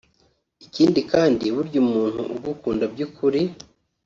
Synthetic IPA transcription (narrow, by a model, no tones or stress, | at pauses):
iciːndikaːndiβuɾɟumuːn̥hṵʔuɡukuːndabɟukʰuɾi